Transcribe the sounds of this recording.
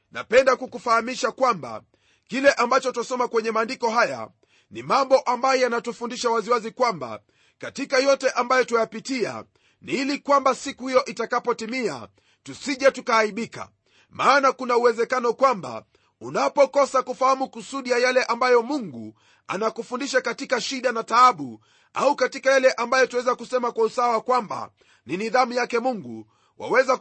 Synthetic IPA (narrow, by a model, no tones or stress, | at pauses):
na̰pɛndakukufahamiʃakwamba̰ | kilɛʔambat͡ʃɔtasɔmakwɛɲɛmaːndikɔɦaja̰ | nimambɔʔambajɔjanatufundiʃawaziwazikwamba̰ | katikajɔtɛʔambajɔtujapitia̰ | nilikwambasikuhijɔʔitakapɔtimia̰ | tusiʄatukaːiɓika̰ | maːnakunauwɛzɛkanɔkwamba̰ | unapɔkɔsakufahamukusuɗijajalɛʔambajɔmuŋɡu | a̰nakufundiʃakatikaʃiɗanataaɓu | aukatikajlɛʔambajɔtuwɛzakusɛmakwausawakwamba̰ | niniðamujakɛmuŋɡu | wʔa̰wɛza